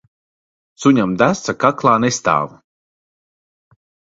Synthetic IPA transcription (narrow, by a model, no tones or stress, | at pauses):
suɲamd̪æsakaklˠaːnest̪a̰ːv